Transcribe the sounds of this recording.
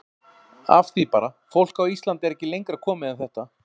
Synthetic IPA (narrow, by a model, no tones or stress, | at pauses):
a̰fθipaːɾa | fowl̥kawist̪lant̪ɛɾɛhcɪlejŋkɾakʰɔːmɪðaθɛht̪a